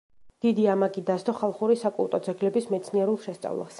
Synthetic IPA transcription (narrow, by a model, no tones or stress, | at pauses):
d̪̥id̪iamaɡid̪ast̪ɔχalˠχuɾisakʼṵlˠt̪ʼɔd̪zɛɡlɛbismɛt̪sʰniɛɾulˠʃɛst̪sʼa̰vlˠa̰s